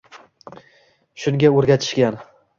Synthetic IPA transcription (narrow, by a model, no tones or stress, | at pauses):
ʃʊŋɡʲaoɾɡʲat̪ʰɪ̥ʃkʲan